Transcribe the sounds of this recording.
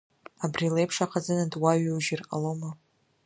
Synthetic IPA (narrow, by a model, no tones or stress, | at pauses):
abrilejpʰʂaqʰazɨnɨdwaɥwʒɪra̰loma